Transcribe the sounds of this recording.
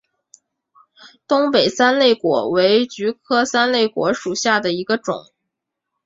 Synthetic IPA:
t̪ʊ˥ŋpe˨˩ɪsa˥nle˥˩ɪkwɔ̰˨˩we˧˥ɪt͡ɕy˧˥kʰɤ˥sa˥nle˥˩ɪkwɔ̰˧˥ʂu˨˩ɕja˥˩d̪ə˩i˧˥ɡə˧ʈ͡ʂʊ̰˨˩˦ŋ

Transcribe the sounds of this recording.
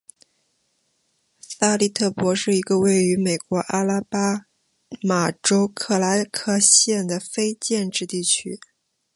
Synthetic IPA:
sa˥˧li˥˧t̪ʰɤ˥˩pwɔ˧˥ʂɻ̩˥˩i˧˥ɡə˧we˥˩ɪy˧˥me˨˩ɪkwɔ˧˥ʔa˥la˥pa˥ | ma˨˩ʈ͡ʂo˥ʊkʰɤ˥˩la˧˥ɪkʰɤ˥˧ɕjɛ˥˩nd̪ə˩fe˥ɪt͡ɕjɛ˥˧nʈ͡ʂɻ̩˥˧t̪i˥˩t͡ɕʰy̰˥

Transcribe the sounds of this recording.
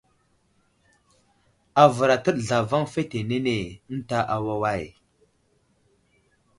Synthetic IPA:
a˨və˨ɾa˨tə˦ɗɮa˨va˦ŋfe˦te˨ne˦ne˨ə˦n̩˦ta˦ʔa˨wa˦wa˦˨j

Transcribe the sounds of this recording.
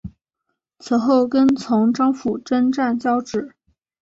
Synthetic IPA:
t͡s̩ʰ˧˥xo˥˩ʊkə˥nt͡sʰʊ˧˥ŋʈ͡ʂɑ˥ŋfu˨˩ʈ͡ʂə˥nʈ͡ʂa˥˩nt͡ɕjɑ˥ʊʈ͡ʂɻ̩˥˨˩

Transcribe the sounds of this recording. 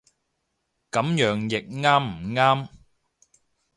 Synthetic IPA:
kɐ˨˥mjœː˨˥ŋjɪ˨k̚ŋaː˥mm̩˨˩ŋaː˥m

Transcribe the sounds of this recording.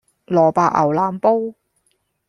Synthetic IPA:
lɔː˨˩paː˧k̚ʔɐ̰˨˩wlaː˨˥mpo˥w

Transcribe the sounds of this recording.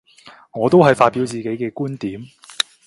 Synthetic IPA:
ŋɔː˨˧t̪o˥wɦɐ˨jfaː˧t̚piː˨˥wt͡siː˨ke˨˥jkɛː˧kuː˥nt̪iː˨˥m

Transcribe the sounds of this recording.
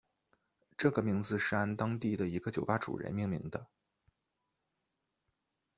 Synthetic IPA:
ʈ͡ʂɤ˥˩ɡə˩mi˧˥ŋd͡zɹ̩˧ʂɻ̩˥a˥nt̪ɑ˥ŋt̪i˥˩d̪ə˩i˧˥ɡə˧t͡ɕjo˨˩ʊpa˥ʈ͡ʂṵ˨˩ɻə̰˧˥nmi˥˩ŋlḭ˧˥ŋd̪ə˧

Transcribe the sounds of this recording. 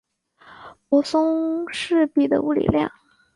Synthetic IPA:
pwɔ˧˥sʊ˥ŋʂɻ̩˥˧pi˨˩d̪ə̰˩u˥˩lḭ˨˩ljɑ̰˥˩ŋ

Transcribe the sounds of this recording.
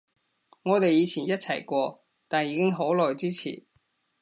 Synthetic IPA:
ŋɔː˨˧t̪e˨jiː˨˧t͡sʰiː˨˩njɐ˥t̚t͡sʰɐ˨˩jkʷɔː˧ | t̪aː˨njiː˨˧kɪ˥ŋɦo˨˥wlɔː˨jt͡siː˥t͡sʰḭː˨˩n

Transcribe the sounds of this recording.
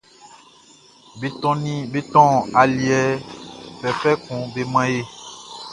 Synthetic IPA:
be˨t̪ɔ̃˦nĩ˦be˦t̪ɔ̃˦a˨li˨ɛ˨fɛ˨fɛ˦kũ˨be˦mã˦je˦

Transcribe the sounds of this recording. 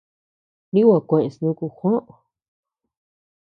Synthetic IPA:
nĩ˦wa˧˨kʷẽ˧˨ʔẽ˧˨snũ˦ku˧xʷã˦ʔõ˨

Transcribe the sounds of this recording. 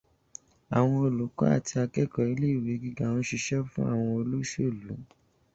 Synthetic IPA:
a˨w̃ɔ̃˧o˨lu˨˦kɔ̰˦a̰˦˨ti˧a˧kɛ˦kɔ˨i˧˦le˦i˨wi˨˦ɡi˦ɡa˦˨nɔ̃˧˦ʃi˧ʃɛ˦fũ˦a̰˦˨w̃ɔ̃˧o˧lo˦ʃo˦˨lu˨˦

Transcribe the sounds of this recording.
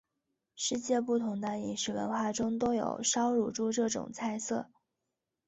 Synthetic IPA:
ʂɻ̩˥˧t͡ɕjɛ˥˧pu˥˩t̪ʰʊ˧˥ŋd̪ə˧i˨˩nʂɻ̩˨˩wə̰˧˥nxwa˥˩ʈ͡ʂʊ˥ŋt̪o˥ʊjo̰˨˩ʊʂɑ˥ʊɻu˥˩ʈ͡ʂu˥˧ʈ͡ʂɤ˥˩ʈ͡ʂʊ̰˨˩ŋt͡sʰa˥˧ɪsɤ˥˩

